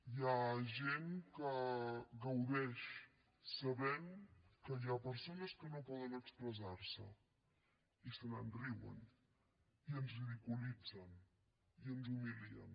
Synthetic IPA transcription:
jaʒenkəɣəwðɛʃ | səβɛmkəjapəɾsonəskənopɔðənəkspɾəzaɾsə | isənənriwə̰n | iənzβiðikulid͡zən | iənzumiliə̰n

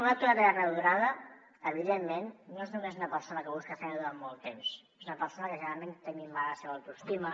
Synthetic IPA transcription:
unat̪uəɾeərəðuɾaðə | əβiðemːenːoeznumezunəpəɾsonəkəβuskəfɛnðuɾammolˠt̪ems | ezunəpəɾsonəkəʒənəɾalˠmẽnt̪əŋimaɣasewəwt̪ust̪imə

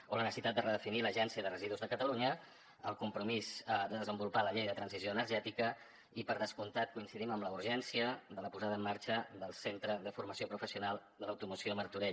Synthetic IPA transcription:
olənəsəsit̪at̪̚d̪ərəðəfiniləʒɛnsiəðərəziðuzðəkət̪əluɲə | əlˠkumpɾumizd̪əðəzəmbulupaləʎejðət̪ɾənzizjoənəɾʒɛt̪ikə | ipəɾð̞əskunt̪at̪̚kuinsiðiməmləuɾʒɛnsiəðələpuzaðəːmːaɾt͡ʃəðəlˠsent̪ɾəðəfuɾməsiopɾufəsiunalˠd̪ələwt̪umusioməɾt̪uɾɛ

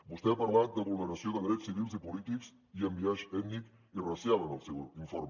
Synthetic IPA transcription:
bust̪ɛapəɾlat̪̚d̪əβulˠnəɾəsioðəðɾɛsːiβilˠzipulit̪iks | iəmbiaʒɛt̪nik | irəsjalˠənəlˠsɛwiɱfoɾm

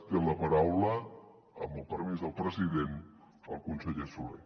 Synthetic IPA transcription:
t̪eləpəɾawlə | əmbəlˠpəɾmizðəlˠpɾəziðen | əlˠkunsəʎesulḛ

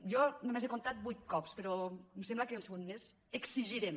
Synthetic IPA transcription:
jɔnomezekont̪at̪̚bujt̪̚kɔpspəɾɔmsembləkeunseɣunmez | əksiʒiɾem

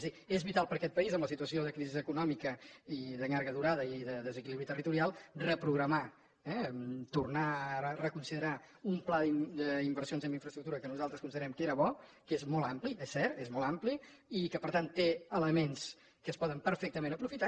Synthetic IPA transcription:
zðiezβit̪alˠpəɾkɛt̪̚pəizəmləsit̪uəsioðəkɾizizəkunɔmikəiðəŋaɾɣəðuɾaðəiðəðəzəkiliβɾit̪ərit̪uɾialˠrəpɾuɣɾəma | ɛt̪urnaəərəkunsiðəɾa | umplaðid̪əimbəɾsijonzəmbiɱfɾəst̪ɾuk̚t̪uɾəkənuzalˠt̪ɾəskuniðəɾɛmkəeɾəβɔkezmɔlˠampliesːɛɾt̪ezmɔlampli | ikəpəɾt̪ant̪ːeələmens | kəːspɔðəmpəɾfɛk̚t̪əmẽnəpɾufit̪a

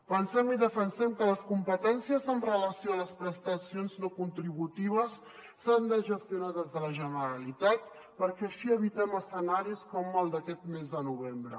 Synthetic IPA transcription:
pənsɛmiðəfənsɛmkələskumpət̪ɛnsiəzənrələsioələspɾəst̪əsionznokunt̪ɾiβut̪iβ̞əsː | and̪əʒəst̪junaðɛzðələʒənəɾəlit̪at̪̚ | pəɾkɛəʃiəβit̪ɛməsənaɾiskɔməlˠd̪əkɛt̪mezðənuβembɾə̰

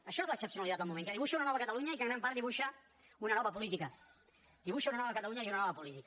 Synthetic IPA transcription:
əʃɔezləːksəpsiunalit̪at̪əlˠmumẽŋkəðiβuʃaunanɔβəkət̪aluɲaikaŋnampaɾðiβuʃa | unɐnɔβəpulit̪ikɐ | d̪iβuʃaunanɔβəkət̪aluɲaiunɐnɔβɐpulit̪ik

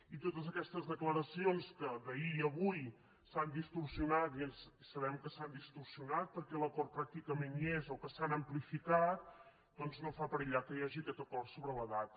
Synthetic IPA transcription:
it̪ot̪əzəkɛst̪əzðəkləɾəsionskəd̪əiəβuj | sand̪ist̪ursiunat̪ienssəβ̞ɛmkəsand̪ist̪ursiunat̪̚pəɾkɛləkɔrt̪̚pɾak̚t̪ikəmenezokəsanəmplifikat̪̚ | d̪̥ɔnznofapəɾəʎakəjaʒiəkɛt̪əkɔrsoβɾələðat̪

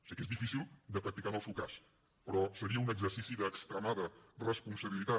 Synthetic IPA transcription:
sikezðifisilˠd̪əpɾək̚t̪ikanəlˠsewkas | pɾɔsəɾiəunəɡzəɾsisiðəːkst̪ɾəmaðərəspunsəβilit̪a

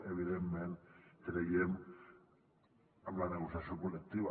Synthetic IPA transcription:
eβiðemːenɾeɣiem | amlaneɣosjasiokolek̚t̪iβa

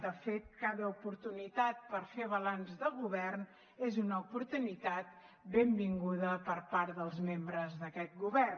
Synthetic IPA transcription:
d̪əfet̪̚kaðəupuɾt̪unit̪at̪̚pəɾfeβ̞əlanzðəɣuβɛrn | ezunəupuɾt̪unit̪at̪̚ | bembiŋɡuðəpəɾpaɾðəlˠzmembɾəzðəkɛt̪̚ɡuβɛr

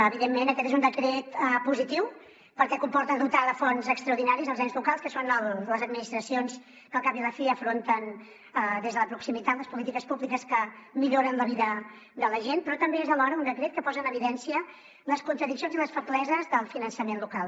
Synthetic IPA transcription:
əβiðemːenəkɛt̪ezund̪əkɾet̪əpuzit̪iw | pəɾkɛkumpɔɾt̪əðut̪aləfɔnzəkst̪ɾəuɾðinaɾizəlˠzanzlukalˠskəsonəlləzəd̪minist̪ɾəsions | kəlˠkampiðəfiəfɾont̪ən | əd̪ezðələpɾuksimit̪at̪ləspulit̪ikəspuβlikəskəmiʎoɾənləβiðə | d̪ələʒent̪̚pɾɔt̪əmbeezðəlɔɾəund̪əkɾet̪̚kəpɔzənəβiðɛnsiə | ləskunt̪ɾəðiksijonziləsfəβlɛzəzðəlˠfinənsəmenlukalˠ

